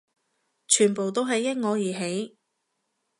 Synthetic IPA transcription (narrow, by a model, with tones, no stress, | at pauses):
t͡ʃʰyː˨˩npo˨˩wt̪o˥wɦɐ˨jːɐ˥t̚ŋɔː˨˧jiː˨˩ɦe˨˥j